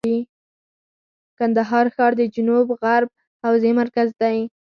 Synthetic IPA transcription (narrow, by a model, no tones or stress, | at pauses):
i | kand̪aɦɑɾxɑɾd̪əd͡ʒʊnubɣaɾb̚ | hawzemaɾkazd̪aj